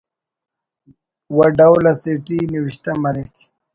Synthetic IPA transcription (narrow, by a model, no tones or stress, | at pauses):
wɐɖawlaseʈiniwiɕt̪ɐmɐɾik